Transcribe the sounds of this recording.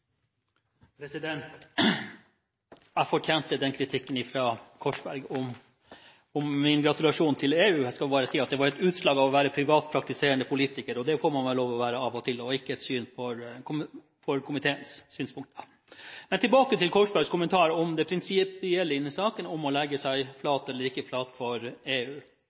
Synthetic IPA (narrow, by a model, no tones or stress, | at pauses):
pʰɾɛsɪd̪ɛnt̪ | æfɔʈʰjɛːnt̪əd̪ɛnkʰɾɪt̪ʰɪkːənɪfɾɑːkʰɔʂbæɾɡɔm | ɔmːɪnɡɾɑt̪ʉlɑʂuːnt̪ʰɪleːʉːskɑlbɑːɾəsiːɑt̪̚d̪ɛʋɑɾɛt̪ʉːt̪ʂlɑːɡɑʋɔʋæːɾəpʰɾɪʋɑːt̪̚pʰɾɑkt̪ɪseːɾəɳəpʰʊliːt̪ɪkəɾɔd̪ɛfoːɾmɑnʋɛloːʋɔʋæːɾəɑːʋɔt̪ʰɪlɔɪkːəɛt̪syːnfɔɾkʰʊ | fɔɾkʰʊmɪt̪ʰeːənssyːnspʰʊŋkt̪ | mɛnt̪ʰɪlbɑːkət̪ɪlkʰɔʂbæɾɡskʊmənt̪ʰɑːɾɔmd̪ɛpʰɾɪnsɪpɪɛlːəɪnːɪsɑːkənɔmɔlɛɡːəsæɪflɑːt̪ɛlːəɾɪkːəflɑːt̪fɔɾeːʉː